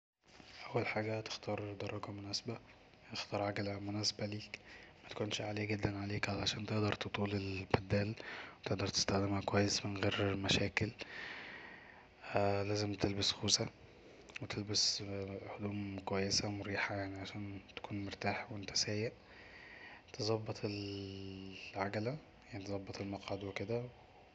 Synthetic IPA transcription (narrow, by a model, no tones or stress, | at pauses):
ʔæwːælħaːɡæt̪e̥xt̪ɑːɾˤd̪ɑɾˤːɑɡɑmʊnæːsabæ | ʔext̪ɑːɾˤʕaɡælmʊnæːsḁbæliːkmæt̪æ̥kuːnʃʕaleːɡed̪ːænʕaleːkʕalʕaʃæːnt̪eʔd̪ɑɾˤt̪ot̪ˤuːlelbæd̪ːæːlwet̪eʔd̪ɑɾˤt̪e̥st̪æxd̪emhækowæjːesmɪnɣeːɾmæʃæːkɪl | læːzɪmt̪elbæsxuːsæ | wet̪ʰelbæshod̪uːmkowæjːesæmʊɾiːħajaʕniʕaʃæːnt̪æ̥kuːnmoɾt̪aːħwʔɪnt̪æ̥sæːjːeʔ | t̪ezˤɑbːɑt̪ˤel | ʕaɡælæ | jaʕnit̪zˤɑbːɑt̪ˤelmɑqʕad̪weked̪æw